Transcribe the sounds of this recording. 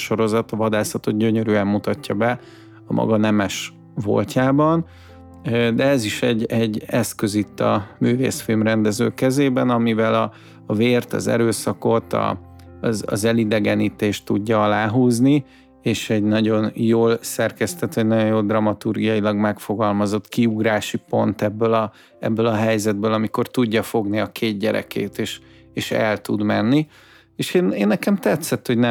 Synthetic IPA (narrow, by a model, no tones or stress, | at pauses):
ʃo̞ɾo̞zɒt̪ɒvɒd̪aːsɒt̪o̞d̪̚ɟøɲøɾyɛmːut̪ɒcːɒbɛ | ɒmʔɒ̰ɡɒnɛmɛʃ | vo̰lcʰaːbɒn | d̪ɛɛziʃɛɟɛɟːɛskøzit̪ːɒ̰myːvḛːsfilmrɛnd̪ɛzø̰ːkɛzeːbɛnɒmivɛlɒː | veːrt̪ɒ̰zɛ̰ɾøːsɒko̞t̪ɒ̰ | zɒ̰zɛlid̪ɛɡɛnit̪eːʃt̪ːuɟːɒɒlaːɦuːzni | eːʃɛɟnɒɟo̞njoːlsɛrkɛst̪ɛt̪ʋɒɟnɒɟo̞joːld̪rɒmɒt̪urɡijɒjilɒɡmɛkfo̞ɡɒlmɒzo̞t̪kiuɡraːʃipo̞nt̪ɛbːølɒ | ɛ̰bːølɒɦɛjzɛd̪̚bøːlɒmiko̞rt̪uɟːɒfo̞ɡniɒkʰeːd̪̚ɟɛɾɛ̰kḛːt̪eːʃ | eːʃɛ̰lt̪ud̪mɛnːi | eːʃeːneːnːɛkɛmt̪ɛt̪sɛt̪ho̞ɟnɛ